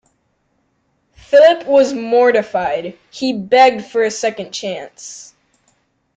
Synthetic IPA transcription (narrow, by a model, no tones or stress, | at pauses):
fɪlˠəpʰwʌzmɔɹɾɨfaɪd̥̚ | ibɛɡ̚d̥fə˞ɨsɛkɨ̃nt͡ʃʰæ̃ns